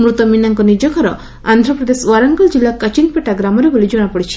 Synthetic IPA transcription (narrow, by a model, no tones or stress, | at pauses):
mɾut̪ɔminaŋkɔnid͡ʒɔkɔɾɔ | a̰nd̪ʱɾɔpɾɔd̪eswaɾɐŋɡɔld͡ʒilːakət͡ʃinpeʈaɡɾamɔɾebolid͡ʒɔɽ̃apɔɽit͡ʃʰi̥